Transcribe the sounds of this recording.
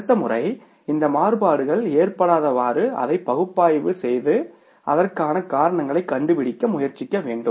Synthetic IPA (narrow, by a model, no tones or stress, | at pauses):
t̪ːɐmʊrɐɪ | ɪnd̪ɐmaːrɯbaːɽɯɣɐɭeːrpɐɽaːðɐʋaːɾɯɐ̰ðɐɪpːɐɣɯpːaːjʋɯsɛjðɯ | ʔɐ̰ðɐrkaːnɐkaːɾɐɳɐŋɡɐɭɐɪkːɐɳɖɯpɪɽɪkːɐmʊjɐɾt͡ʃːɪkːɐʋeːɳɖɯm